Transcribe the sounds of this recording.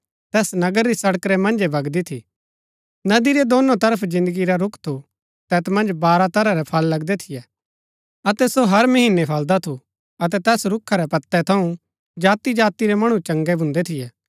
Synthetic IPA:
t̪ɛːsnɐɡəɾːisɐɽəkɾɛmɐ̃nd͡ʒebɐɡd̪it̪ʰḭ | nɐd̪iɾɛd̪oːnõt̪ɐɾəpʰd͡ʒɪ̃nd̪əɡiɾaɾʊkʰt̪ʰu | t̪ɛːt̪mɐ̃nd͡ʒbaːɾat̪ɐɾaɾɛpʰɐlːɐɡd̪ɛt̪ʰɪjɛ | ɐt̪ɛsoɦɐɾmɐɦiːnːepʰɐld̪at̪ʰu | ɐt̪ɛt̪ɛːsɾʊkʰːaɾɛpɐt̪ːɛt̪ʰɐũ | d͡ʒaːt̪id͡ʒaːt̪iɾɛmɐɽ̃ũt͡ʃɐ̃ŋɡɛbʱʊ̃nd̪ɛt̪ʰɪjɛː

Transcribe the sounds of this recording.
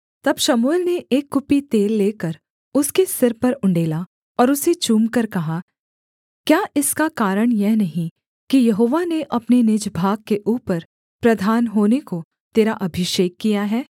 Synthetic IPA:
t̪ɐbʃɐmuelneʔeːkːʊpit̪eːlːeːkəɾ | ʊskesɪɾpɐɾʊ̃ɳɖeːla | ɔːɾʊset͡ʃuːmkɐɾkɐɦa | kjaːʔɪskakaːɾəɽ̃jɛɦnɐɦĩ | kijɐɦoːʋaneʔɐpnenɪd͡ʒbʱaːɡ̚keʔuːpəɾ | pɾɐd̪ʱaːnɦoːneko | t̪eːɾaʔɐbʱɪʃeːkːijaɦɛː

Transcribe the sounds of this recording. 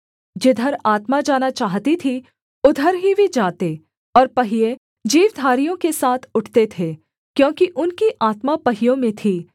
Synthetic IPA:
d͡ʒɪd̪ʱəɾaːt̪mad͡ʒaːnat͡ʃaːɦt̪it̪ʰi | ʊd̪ʱəɾɦibʱid͡ʒaːt̪e | ɔːɾpɐɦɪje | d͡ʒiːʋd̪ʱaːɾijõkesaːt̪ʰʊʈʰt̪et̪ʰeː | kjõːkiʔʊnkiʔaːt̪mapɐɦɪjõmẽt̪ʰiː

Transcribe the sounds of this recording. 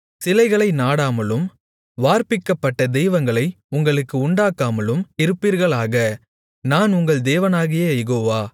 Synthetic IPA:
sɪlɐɪɣɐɭɐɪnaːɽaːmɐlɯm | ʋaːɾpɪkːɐpːɐʈːɐd̪ɛjʋɐŋɡɐɭɐɪ | ʊŋɡɐɭɯkːɯʊɳɖaːkːaːmɐlɯmɪɾɯpːiːɾɣɐɭaːɣɐ | naːnʊŋɡɐɭd̪eːʋɐnaːɣɪjeːjɛɣoːʋaː

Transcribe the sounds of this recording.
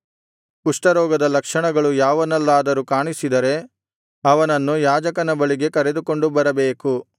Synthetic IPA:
kuʂʈɐɾɔːɡɐd̪ɐlɐkʂɐɳɐɡɐɭujaːʋɐnɐlːaːd̪ɐɾukaːɳisid̪ɐɾe̞ | ɐʋɐnɐnːujaːd͡ʒɐkɐnɐbɐɭiɡe̞kɐɾe̞d̪uko̞ɳɖubɐɾɐbe̞ːku

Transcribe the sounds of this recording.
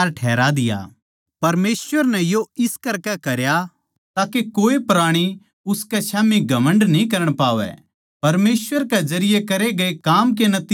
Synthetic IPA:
ɾʈʰɛːɾad̪ɪja̰ː | pɐɾmeːsʋəɾnɛjoɪskɐɾkɛkɐɾja | t̪aːkekoːepɾaːɽ̃i | ʊskɛsaːmiɡʱɐmə̃ɳɖnĩk̬ɐɾəɽ̃paːʋɛ̰ | pɐɾmeːsʋəɾkezɐɾɪjekɐɾeɡɐekaːmk̬enɐt̪

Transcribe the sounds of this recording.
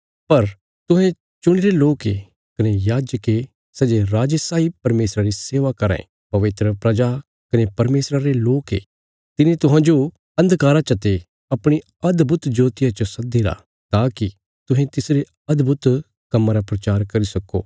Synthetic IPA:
pɐɾ | t̪ʊɦɛ̃ | t͡ʃʊɽ̃iɾeloːke | kɐnejaːd͡ʒəke | sɛːd͡ʒeɾaːd͡ʒesaːipɐɾmeːsɾaɾiseːʋakɐɾã̰ | pɐʋɪt̪ɾəpɾɐd͡ʒa | kɐnepɐɾmeːsɾaɾeloːkḛ | t̪ɪnẽt̪ʊɦãːd͡ʒo | ɐ̃nd̪kaːɾat͡ʃɐt̪e | ɐpɽ̃i | ɐd̪bʱʊt̪d͡ʒoːt̪ɪjat͡ʃosɐd̪iɾa̰ | t̪aːki | t̪ʊɦẽt̪ɪsɾe | ɐd̪bʱʊt̪ | kɐmːãɾapɾɐt͡ʃaːɾkɐɾisɐkːo̰ː

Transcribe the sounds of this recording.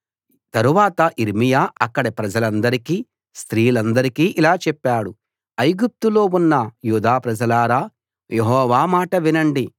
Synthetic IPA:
t̪ɐɾuʋaːt̪ɐʔiɾmijaːɐkːɐɽɐpɾɐd͡ʒɐlɐnd̪ɐɾikiː | st̪ɾiːlɐnd̪ɐɾikiːʔilaːt͡ʃɛpːaːɽu | ɐjɡup̚t̪ulo̞ːunːɐjuːd̪aːpɾɐd͡ʒɐlaːɾaː | jeɦɔːʋaːmaːʈɐʋinɐɳɖi

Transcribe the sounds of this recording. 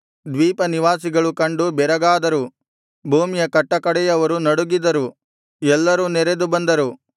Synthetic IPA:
d̪ʋiːpɐniʋaːsiɡɐɭukɐɳɖubɛɾɐɡaːd̪ɐɾu | bʱuːmijɐkɐʈːɐkɐɽɛjɐʋɐɾunɐɽuɡid̪ɐɾu | ɛlːɐɾunɛɾed̪ubɐnd̪ɐɾu

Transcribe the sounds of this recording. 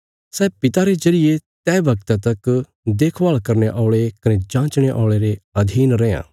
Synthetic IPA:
sɛːpɪt̪aɾed͡ʒɐɾɪjet̪ɛːbʱɐɡt̪at̪ɐk | d̪eːkʰʋaːɭkɐɾneʔɔːɭekɐned͡ʒãːt͡ʃɽ̃eʔɔːɭeɾeɐd̪ʱiːnɾɛ̃ːã̰ː

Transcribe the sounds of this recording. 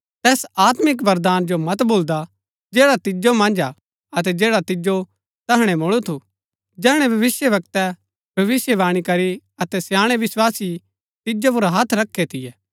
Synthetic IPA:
t̪ɛːsaːt̪mɪk̬ʋɐɾd̪aːnd͡ʒomɐt̪boːld̪a | d͡ʒeːɽat̪ɪd͡ʒomɐ̃nd͡ʒa | ɐt̪ɛd͡ʒeːɽat̪ɪd͡ʒo | t̪ɐɦɽ̃ɛmoɭut̪ʰu | d͡ʒɛːɦɽ̃ɛ̃bʱɐʋɪsjəʋɐk̚t̪ɛ | bʱɐʋɪsjəʋaːɽ̃ikɐɾi | ɐt̪ɛsjaːɽ̃ɛʋɪswaːsi | t̪ɪd͡ʒop̬ʊɾaɦat̪ʰɾɐkʰːet̪ʰɪjɛː

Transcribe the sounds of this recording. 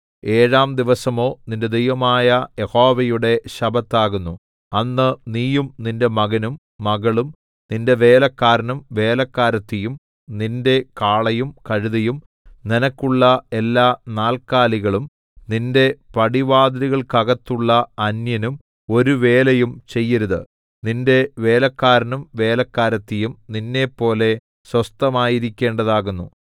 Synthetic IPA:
e̞ːɻaːmd̪iʋɐsɐmo̞ːninde̞d̪ejʋɐmaːjɐjeho̞ːʋɐjuɽe̞ɕɐbʱɐt̪ːaːɣunːu | ɐnːɨniːjumninde̞mɐɣɐnumːɐɣɐɭum | ninde̞ʋe̞ːlɐkːaːɾɐnumʋe̞ːlɐkːaːɾɐt̪ːijum | ninde̞kaːɭɐjumkɐɻuðɐjum | ninɐkːuɭːɐe̞lːaːnaːlkaːliɣɐɭum | ninde̞pɐɽiʋaːd̪ɐɾiɣɐɭkɐɣɐt̪ːuɭːɐɐnjɐnum | o̞ɾuʋe̞ːlɐjumt͡ɕe̞jːɐɾuðɨ̰ | ninde̞ʋe̞ːlɐkːaːɾɐnumʋe̞ːlɐkːaːɾɐt̪ːijumninːe̞pːo̞ːle̞ | swɐst̪ɐmaːjiɾikʲːe̞ːɳɖɐðaːɣunːu

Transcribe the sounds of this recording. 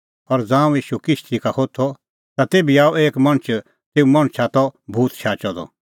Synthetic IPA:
ɔɾd͡zãːũiːʃukɪʃt̪ʰikahot̪ʰɔ | t̪at̪eːbiaːueːkmɐɽ̃t͡ʃʰ | t̪eːũmɐ̃ɽ̃t͡ʃʰat̪ɔbʱuːt̪t͡ʃʰaːt͡ʃɔd̪ɔ̰

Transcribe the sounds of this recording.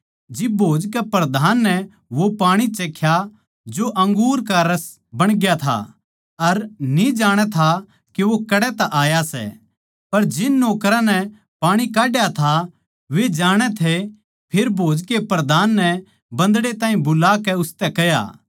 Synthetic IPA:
d͡ʒɪbʱoːd͡ʒkɛpɾɐd̪ʱaːnːɛ | ʋopaːɽ̃it͡ʃeːkʰːja | d͡ʒoʔɐ̃ŋɡuːɾkaɾɐs | bɐɽ̃ɡjat̪ʰa̰ | ɐɾnid͡ʒaːɽ̃ɛt̪ʰa | keʋokɐɽɛt̪aʔaːjasɛ̰ | pɐɾd͡ʒɪnːoːkɾãnɛ | paːɽ̃ikaːɖjat̪ʰa | ʋed͡ʒaːɽ̃ɛt̪ʰe | pʰeɾbʱoːd͡ʒkepɾɐd̪ʱaːnːɛ | bɐ̃nd̪ɽet̪ãːĩbʊlaːkɛʊst̪ɛkɛja̰ː

